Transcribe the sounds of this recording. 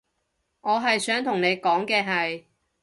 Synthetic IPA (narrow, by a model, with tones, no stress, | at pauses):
ŋɔː˨˧ɦɐ˨jsœː˨˥ŋt̪ʰʊ˨˩ŋne˨˧jkɔː˨˥ŋkɛː˧ɦɐ˨j